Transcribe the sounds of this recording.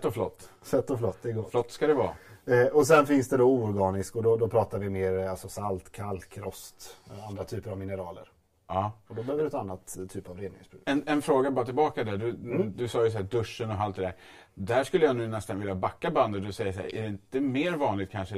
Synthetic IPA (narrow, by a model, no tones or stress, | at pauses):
t̪ːɔflɔt̪ː | sɛt̪ːɔflɔt̪ːd̪ɛɡoːflɔt̪ːskad̪ɛvɑ̰ːɔsɛnfɪnsd̪ɛd̪ɔuːɔɾɡɑːnɪskɔd̪ɔd̪ɔpʰɾɑːt̪aɾvɪmeːɾalsɔsalt̪kʰalt̪kʰɾɔst̪and̪ɾat̪ʰyːpəɾavmɪnəɾɑːlə̰ɾ | ɑːɔd̪ɔbɛhøːvəɾɛt̪ʰːanːat̪ʰːyːpavɾeːd̪nɪɪ̰sbɾʉɡɛnɛnfɾoːɡabɑːɾat̪ʰɪlbɑːkad̪æɖɵd̪ɵsɑːjɵsɔhæːd̪ɵʂːənɔɦalt̪d̪ɛd̪æːɾ | d̪æʂkɵlːəjanʉ̟ːnɛst̪anvɪljabakːaband̪ət̪̚d̪ɵsɛjːəʂæ̰ːɾʔæ̰ɖɛɪnt̪əmeːɾvɑːnlɪɡ̚t̪kʰanʂə